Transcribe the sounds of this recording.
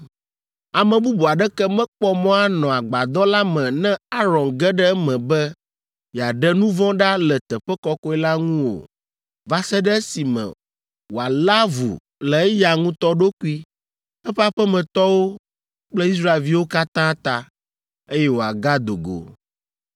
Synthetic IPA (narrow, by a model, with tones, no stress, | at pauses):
a˨mɛ̃˨bu˦bu˨a˨ɖɛ˦kɛ˦mɛ̃˦k͡pɔ˦mɔ̃˦a˦nɔ̃˨a˨ɡ͡ba˨d̪ɔ̃˦la˦mɛ̃˨nɛ̃˦a˦ɾɔ̃˨nɡɛ˦ɖɛ˦mɛ̃˨bɛ˦ | ja˨ɖɛ˦nũ˦vɔ̃˦ɖa˦lɛ˨t̪ɛ˨ɸɛ˦kɔ˦kɔ˦ɛ˦la˦ŋũ˦wo̰˨ | va˦sɛ˦ɖɛ˦e˦si˨mɛ̰̃˨ | wo˨a˨la˦vṵ˨ | lɛ˨ɛ˦ja˨ŋũ˦t̪ɔ˦ɖo˦ku˦i˦ | ɛ˦ɸɛ˦a˦ɸɛ˦mɛ̃˨t̪ɔ˦wo˦ | k͡plɛ˦i˦sɾa˦e˨lvi˦wo˦ka˦t̪ã˦t̪a˦ | e˦jɛ˦wo˨a˨ɡa˦d̪o˨ɡo̰˨